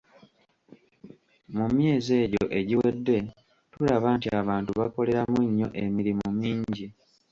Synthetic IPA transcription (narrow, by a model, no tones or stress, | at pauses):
mumje̞ːze̞ːɟoʔe̞ɟiwe̞dːe̞ | tulaβaːntiaβaːntuβako̞le̞ɾamuɲːo̞̰ʔe̞miɾimumiːɲɟi